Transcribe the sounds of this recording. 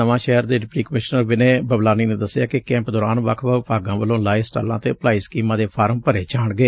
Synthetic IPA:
əʋãːʃɛɦəɾd̪eːɖɪpʈiːkəmɪʃnəɾʋɪnẽːbəblaːniːnẽːd̪əsːɪjaːkɪkɛ̃ːmpd̪ɔːɾaːnʋəkʰʋəːpaːɡãːʋəlõːlaːisʈa̰ːlã̰ːt̪eːplaːiːskiːmãːd̪eːpʰaːɾəmpəɾeːt͡ʃaːɳɡeː

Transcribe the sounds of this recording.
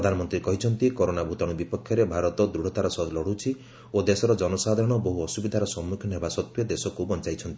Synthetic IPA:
ɾɔd̪ʱanɔmɔnt̪ɾikɔɦit͡ʃʰɔnt̪ikoɾonabʱut̪ɔɽ̃ubipɔkʰjɔɾebʱaɾɔt̪ɔd̪ɾuɽ̤ɔt̪aɾɔsɔlɔɽ̤ut͡ʃʰi | od̪esɔɾɔd͡ʒɔnɔsad̪ʱɔɾɔɽ̃ɔboɦuɔsubid̪ʱaɾɔsɔmːukʰjɔnɦebasɔt̪wjɔd̪esɔkubɔnt͡ʃajt͡ʃʰɔnt̪i

